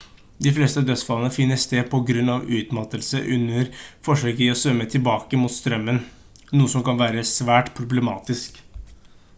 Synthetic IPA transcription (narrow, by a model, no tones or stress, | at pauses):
d̪ɪfleːst̪əɑʋd̪œt̪sfɑlənəfɪnːəst̪eːd̪̚pʰɔɡɾʉnːɑʋʉːt̪mɑt̪ːəlsəʔʉnːəɾfɔʂøːkəiːɔsʋœmːət̪ʰɪlbɑːkəmuːt̪st̪ɾœmːən | nuːəsɔmkɑnʋæːɾəsʋæːʈpʰɾʊbləmɑːt̪ɪsk